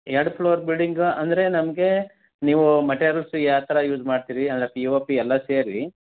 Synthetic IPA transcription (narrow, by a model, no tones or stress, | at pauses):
eɖpʰloːɐɾbilɖiŋɡɐnd̪ɐɾe̞nɐmɡe̞ | niːʋumɐʈeːɾɐlsujaːt̪ɐɾɐjuːd͡ʒmaːɖt̪iːɾiɐnd̪ɐɾepioːpiɛlːɐseːɾi